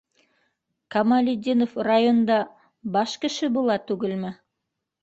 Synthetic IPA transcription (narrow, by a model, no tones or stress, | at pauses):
kɐmalʲɪd̪ʲinofrajond̪ɑ | bɑʃkɘ̆ʃɘbulˠɑt̪ʉɡɘlmɘ